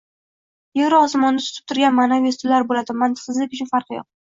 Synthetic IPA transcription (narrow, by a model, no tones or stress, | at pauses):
jevɾɪɒsamɒnd̪at̪ʰʊ̥t̪ʰɪ̥p̚t̪ʰʊɾɡʲanmanavest̪ʰɪlaɾbolad̪ɪmːant̪ʰɪ̥qʰɨzlɪkʲʊt͡ʃʰʊnfaɾqɨjɒ̰q̚